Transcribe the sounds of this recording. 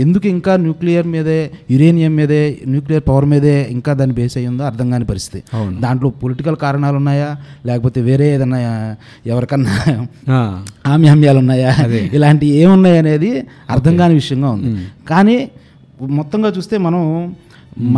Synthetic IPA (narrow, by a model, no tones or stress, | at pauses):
e̞nd̪ukuiŋkaːnjuːklijɐɾmiːd̪ɐjuɾe̞ːnijɐmːiːd̪eːnjuːklijɐɾpɐʋɐɾmiːd̪eːiŋkaːd̪aːnːibʱeːsɐjːund̪oːɐɾt̪ʰɐŋɡaːnepɐɾist̪i̥t̪id̪aːɳʈlo̞ːpoliʈikɐlkaːɾɐɳaːlunːaːjaːlɛːkɐpoːt̪e̞ːʋe̞ːɾeːd̪ɐnːaːja | ɛʋɐɾɐkɐnːa | aːmjaːmjaːlunːaːjaːilaːɳʈieːmunːaːjɐne̞ːd̪iɐ̰ɾt̪ʰɐŋɡaːneʋiʂɐjɐŋɡaːund̪ikaːniː | mɔt̪ːɐŋɡaːt͡ʃuːst̪e̞ːmɐnɐm